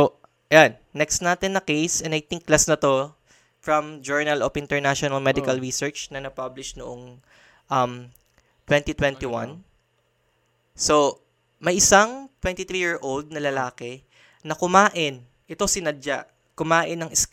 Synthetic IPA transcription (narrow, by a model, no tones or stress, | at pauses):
so | ʔɐjanːɛkst̪naːt̪ɛnːɐkejsɛnɐjt̪ɪŋklɐsnɐt̪o̞ | fɹɐ̃md͡ʒɛɹnɐlofʔɪ̃nt̪ɛɹnaʃonɐlmɛd̪ɪkɐlɹisɛɹt͡ʃnɐnɐpablɪʃnoʔoŋ | ʔɐm | t̪wɛ̃nt̪it̪wɛ̃nt̪iwɐ̰n | so̞ | mɐjʔɪsaŋt̪wɛ̃nt̪it̪ɾijiɹsʔowld̪̚nɐlɐlaːkɛ | nɐkʊmaːʔɪn | ʔɛt̪o̞sɪnɐdd͡ʒaʔ | kʊmaːʔɪnːɐŋɪs